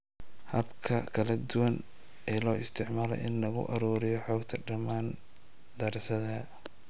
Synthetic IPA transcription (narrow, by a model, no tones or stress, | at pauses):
hɐbkʰɐkʰɐlɐd̪ʊwɐn | ɛːlɔːɪst̪ʰɪʕmaːlɔ̰ʔɪnːɐɣʊ̰ʔɐɾuːɾɪjɔħɔːɡt̪ʰɐɖɐmaːn | d̪ɐɾsɐðɐ